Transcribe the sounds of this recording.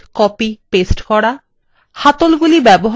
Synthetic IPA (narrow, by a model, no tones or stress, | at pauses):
kɔpipesʈkɔɽa | hat̪olɡulibɛboɦ